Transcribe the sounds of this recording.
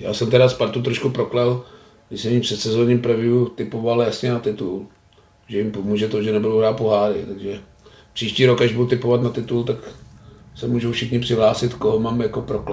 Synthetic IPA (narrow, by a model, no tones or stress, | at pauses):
ja̰ːsɛmt̪ɛɾaspaɾt̪ut̪ɾoʃkupɾoklɛl | ɡɪsɛmipr̥ɛt̪sɛzoːɲiːmpɾavɪut̪ɪpovaljasɲɛnat̪ɪt̪ul | ʒɛjɪmpomuːʒɛt̪oʒɛnɛbudowɦɾaːt̪̚poɦaːɾɪ̰t̪aɡʒɛ | pr̥iːʃciːɾokaʒbudut̪ɪpovat̪nat̪ɪt̪ult̪ak | sɛmuːʒowfʃɪxɲɪpr̥ɪɦlaːsɪt̪koɦomaːmjakopɾoklɛ